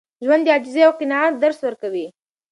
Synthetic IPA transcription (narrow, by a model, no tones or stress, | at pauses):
ʒwand̪ɑd͡ʒɪzeawqɪnɑat̪̚d̪aɾswəɾkawi